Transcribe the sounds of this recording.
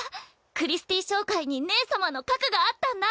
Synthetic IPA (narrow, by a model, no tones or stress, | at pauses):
kɯ̟ɾʲisɨ̥t̪iɕo̞ːkaiɲ̟ine̞ːsamano̞kakɯ̟ɡaːt̪ːãnd̪a